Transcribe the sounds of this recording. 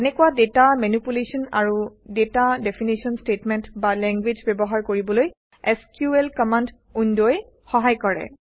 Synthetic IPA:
ɛnɛkuwadetamanipulesɔna̰ɹudetadɛpʰinisiɔnstetmɛntbalɛŋɡwed͡ʒbɛbɔɦaɹkoɹibɔloj | ɛskjuɛlkɔmand | undoj | xɔɦajkɔɹɛ̰

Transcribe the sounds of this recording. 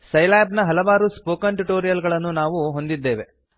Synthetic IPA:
sɐjlaːbnɐɦɐlɐʋaːɾuspoːkɐnʈuʈoːɾijɐlɡɐɭɐnːunaːʋuɦo̞nd̪id̪ːe̞ːʋe̞

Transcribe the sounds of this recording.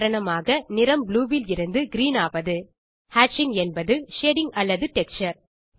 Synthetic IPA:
ɾɐɳɐmaːɣɐnɪɾɐmbluːʋɪlɪɾɯnd̪ɯɡɪɾiːnaːʋɐðɯ | haːʈt͡ʃɪŋɛnbɐðɯʃeːɽɪŋɐlːɐðɯʈɛk̚t͡ʃɐɾ

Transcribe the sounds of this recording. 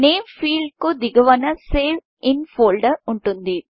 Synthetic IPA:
ne̞ːmpʰiːɭkud̪iɡɐʋɐnɐseːʋ | inpʰoːlɖɐuɳʈund̪i

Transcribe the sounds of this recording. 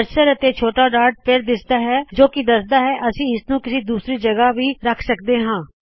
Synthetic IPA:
əɾʃəɾət̪eːt͡ʃʰoːʈaːɖaːɾɖ̚pʰɪɾd̪ɪsd̪aːɦɛːd͡ʒoːkɪd̪əsd̪aːɦɛːʔəsĩːɪsnũːkɪsiːd̪uːsɾiːd͡ʒəɡaːʋiːɾəkʰsək̚d̪eːɦãː

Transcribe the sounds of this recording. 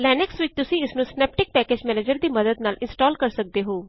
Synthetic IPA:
lɛːnɛksʋɪt͡ʃt̪ʊsĩːɪsnũːsnɛːp̚ʈɪk̚pɛːkeːd͡ʒmɛːneːd͡ʒəɾd̪iːməd̪əd̪naːlɪnsʈɔːlkəɾsək̚d̪eːɦoː

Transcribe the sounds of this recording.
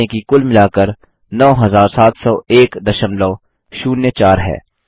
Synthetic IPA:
ẽkikʊlmɪlaːkəɾ | nɔːɦɐzaːɾsaːt̪ʰsɔːeːkd̪ɐʃəmlɔː | ʃuːnːet͡ʃaːɾɦɛ̰ː

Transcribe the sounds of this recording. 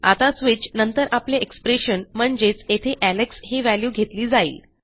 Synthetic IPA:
a̰t̪asʋit͡ɕnənt̪əɾapleʔekspɾeɕənm̤əɳd͡ʑet͡set̪ʰeʔæleksɦeʋæljuːɡʱet̪liːd͡zaḭːl

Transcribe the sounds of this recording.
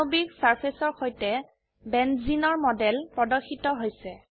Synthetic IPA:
obiksaɹpʰesɔɹxojtɛ | bɛnzinɔɹmɔdɛlpɹɔdɔxʰːitɔɦojsɛ

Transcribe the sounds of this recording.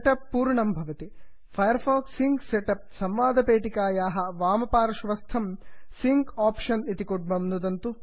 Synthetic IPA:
ʈɐpːuːɾɳɐmbʱɐʋɐt̪i | pʰɐjɐɾpʰaːkssiŋkseʈɐp̚sɐmʋaːd̪ʱɐpeːʈikaːjaːɦɐʋaːmɐpaːɾɐʃʋɐst̪ʰɐmsiŋkaːpʂɐnit̪ikuɖ̚bɐmnud̪ɐnt̪u

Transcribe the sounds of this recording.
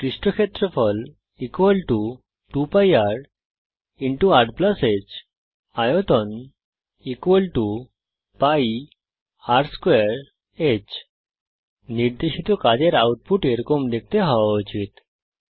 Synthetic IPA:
kɾiɕʈɔkʰet̪ɾəfɔl | ikʋəlʈu | ʈupajaɾ | iɳʈuaʈpləset͡ɕ | ajɔt̪ɔn | ikʋəlʈu | pai | aɾskʋeɾ | et͡ɕ | niɾd̪eɕit̪ɔkad͡ʑeɾawʈ̚puʈeɾkomd̪ek̚ʰt̪eɦaʋaɔt͡ɕit̪

